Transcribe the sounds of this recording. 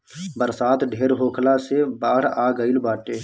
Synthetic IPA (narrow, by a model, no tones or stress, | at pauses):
bəɾsaːt̪ɖʱeːɾɦoːkʰlasebaːɽ̤aːɡəilbaːʈeː